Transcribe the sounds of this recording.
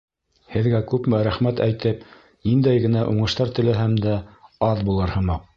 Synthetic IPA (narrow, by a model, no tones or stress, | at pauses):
hɘ̆ðɡækʉpmɘɾæχmæt̪æjt̪ɘp | nind̪æjɡɘ̆næʔuɴɤ̆ʃt̪ɑɾt̪ɘ̆lɘɦæmd̪æɑðbulˠɤɾhɤ̆mɑq